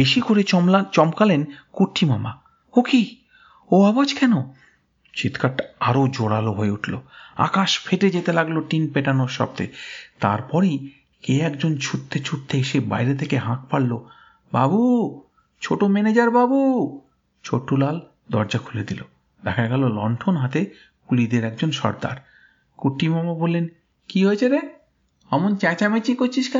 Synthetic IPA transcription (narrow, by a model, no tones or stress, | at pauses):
beʃikoɾeat͡ɕɔmkalenkuɾʈʰimama | oki | oabad͡ʑkɛno | t͡ɕit̪kʰaʈːaaɾod͡ʑoɽaloɦoeuʈʰlo̰a̰kaʃfʰeʈed͡ʑet̪elaɡloʈinpeʈanoɾʃɔ̰b̚t̪ḛt̪a̰ɾpɔɾi | keɛkd͡ʑont͡ɕʰutt̪ʰːet͡ɕʰuɾt̪ʰːeeʃeba̰jɾet̪ʰekeɦãk̚paɽlo | ba̰bu | t͡ɕʰoʈomɛned͡ʑaɾbabu | t͡ɕʰoʈːulal | d̪ɔ̰ɾd͡ʑakʰuled̪ilo | d̪ɛkʰaɡɛlolɔ̰ɳʈʰonɦat̪e | kulid̪eɾɛkd͡ʑonʃɔ̰ɾd̪a̰ɾ | kuʈːimɔmabolːen | kiɦoet͡ɕʰeɾe | amont͡ɕɛt͡ɕamet͡ɕikoɾt͡ɕʰiʃkɛ